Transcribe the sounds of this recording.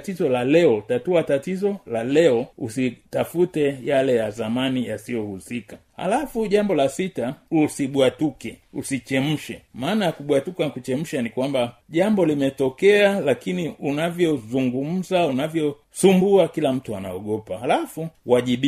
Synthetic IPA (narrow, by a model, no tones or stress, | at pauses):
tizɔlalɛɔtatuatatizɔlalɛɔṵsitafutɛjalɛjazamanijasijɔhusikaha̰lafuʄambɔlasitausiɓwatukɛṵsit͡ʃɛm̩ʃɛmaːnajakuɓwatukanakut͡ʃɛm̩ʃanikwambaʄambɔlimɛtɔkɛalakiniunavjɔzuŋɡum̩zaunavjɔ | sumbuakilam̩tuana̰ɔɠɔpahalafuwaʄiɓ